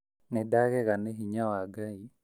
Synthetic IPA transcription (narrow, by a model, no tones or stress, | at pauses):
nɛdaɡɛkaneɦiɲawaɡai